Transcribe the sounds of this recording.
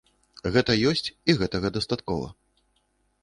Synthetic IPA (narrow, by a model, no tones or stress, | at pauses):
ɣɛt̪ɐjɔsʲt͡sʲiɣɛt̪ɐɣɐd̪ɐst̪at̪kɔvɐ̰